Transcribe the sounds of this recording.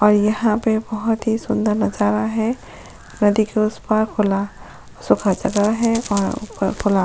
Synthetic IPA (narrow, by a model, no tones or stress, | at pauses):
ɔːɾjɐɦãpebɐɦʊt̪ɦisʊ̃nd̪əɾnɐd͡ʒaːɾaɦɛ̃ | nɐd̪ikeʊspaɾkʰʊla | sʊkʰad͡ʒɐɡəɾɦɛ̃ɔːɾ̰kʰʊla